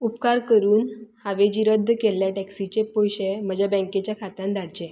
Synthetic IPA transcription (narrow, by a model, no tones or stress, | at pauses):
upkaɾkəɾuːnhaʋed͡ʑiːɾəd̪ʱːəkeljaʈɛksit͡ɕepojɕem̤əd͡ʑʱabə̃ŋket͡ɕjakʰat̪ãnd̪ʱaɽd͡ʑe